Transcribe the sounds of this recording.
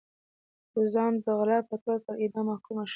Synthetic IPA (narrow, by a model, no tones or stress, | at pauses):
bʊzɑnd̪əɣlapət̪otəɾɪd̪ɑmakumaʃ